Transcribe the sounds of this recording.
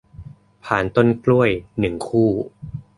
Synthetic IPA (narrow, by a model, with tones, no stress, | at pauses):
pʰaː˨˩nt̪o˥˩nklu˥˩əjnɯ˨˩ŋkʰuː˥˩